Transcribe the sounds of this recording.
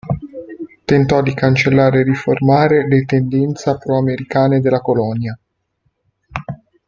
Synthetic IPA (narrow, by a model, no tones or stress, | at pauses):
t̪ent̪ɔd̪ikant͡ʃelːaːɾeːriformaːɾelet̪end̪ɛnt̪sapɾɔameɾikaːned̪elːakolɔnja